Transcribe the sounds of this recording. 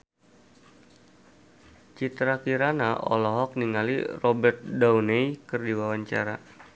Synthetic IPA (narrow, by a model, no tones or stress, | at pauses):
t͡ʃit̪ɾakiɾanaʔɔ̰lɔɦɔk̚niŋalḭrɔbɛrt̪̚dawnejkɨrdiwawaɲt͡ʃa̰ɾa